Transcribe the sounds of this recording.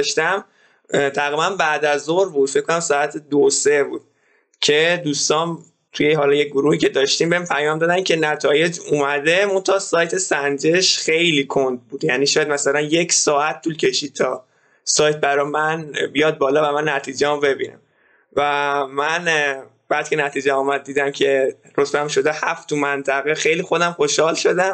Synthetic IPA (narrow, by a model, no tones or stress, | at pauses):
ʃt̪æm | t̪ʰæɣɾibænbæd̪æzoɾbuːd̪̥fec̚ko̞næmsɒːæt̪ʰed̪osebuːd̪̥̚ | cʰe̞d̪uːst̪ɒːn | t̪ʰujeɦɒlɒːjeɡoɾuːhiːcʰe̞d̪ɒʃt̪iːmbeimpʰæjɒːmd̪ɒd̪æmcʰe̞næt̪ʰɒːje̞d͡ʒuːmæd̪e̞mo̞nt̪ʰɒːsɒːjt̪ʰe̞sænd͡ʒe̞ʃχe̞jliːkʰond̪̚buːd̪jæniːʃɔjæd̪mæsælænje̞cʰsɒːæt̪̚ʰːulcʰe̞ʃiːd̪̥̚t̪ʰɒ | sɒːjt̪̚bæɾɒjmænbijɒd̪̚bɒːlɒːvæmænːæt̪ʰiːd͡ʒemube̞bḭnæ̰m | væmæn | b̥æːd̪̚cʰe̞næt̪ʰiːd͡ʒeɒːmæd̪̚d̪ːiːd̪æmcʰe̞ | ɾot̪ʰbæmʃo̞d̪ehæft̪umænt̪ʰæɣexejlixo̞d̪æmxoʃhɒːlʃo̞d̪æm